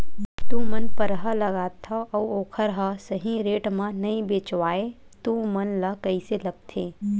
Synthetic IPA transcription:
t̪ũmənpəɾɦəlɐɡaːt̪ʰɐʔɔoːkʰəɾɦasəɦĩɾeːʈmãnɐĩbeːt͡ʃwaːe | t̪ũmɐnlɐkɐiselɐɡ̚t̪ʰeː

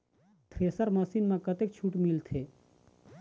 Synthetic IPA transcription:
t̪ʰɾeːsəɾmɐsiːnmãkɐt̪eːk̚t͡ʃʰuːʈmilt̪ʰeː

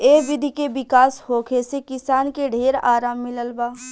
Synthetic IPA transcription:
eːʋɪd̪ʱikeʋɪkaːshoːkʰesekɪsaːnkeɖʱeːɾaːɾaːmːɪləlbaː

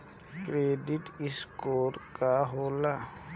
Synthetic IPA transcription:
kɾeːɖɪʈɪskoːɾkaɦoːla

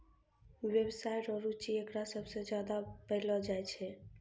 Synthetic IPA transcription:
wjebsajʈɔɾut͡ʃiekɾasəbʱsẽd͡ʒjad̪apəɦlɔd͡ʒajt͡ʃʰɛ

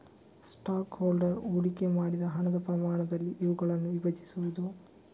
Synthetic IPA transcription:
sʈaːkhoːlɖɐɾoːɽikemaːɽid̪ɐɦɐɳɐd̪ɐpɾɐmaːɳɐd̪ɐlːiʔːʋuɡɐɭɐnːuʋibɐt͡ʃi̥suʋud̪u

